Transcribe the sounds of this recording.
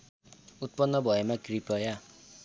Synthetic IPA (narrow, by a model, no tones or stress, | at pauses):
ut̪̚pʌnːʌbʱʌemaɡripʌja